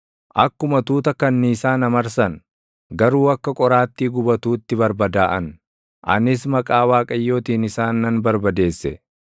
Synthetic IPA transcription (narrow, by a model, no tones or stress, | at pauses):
ʔɐkːʊmɐt̪uːt̪ɐkɐnːɪːsaːnɐmɐɾsɐn | ɡɐɾuːɐkːɐkʼɔɾaːt̪ːiːɡʊbɐt̪uːt̪ːɪbɐɾbɐd̪aːʔɐn | ʔɐ̰nɪs̬mɐkʼaːwaːkʼɐjːo̞ːt̪iːnɪsaːnːɐnbɐɾbɐd̪e̞ːsːɛ